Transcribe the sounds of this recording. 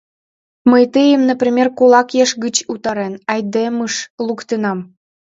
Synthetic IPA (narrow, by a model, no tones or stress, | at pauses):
məjt̪əjəmnəprʲimʲerkolˠɑkjeʃɡət͡ɕut̪ɑɾenɑjd̪eməʃlˠukt̪enɑm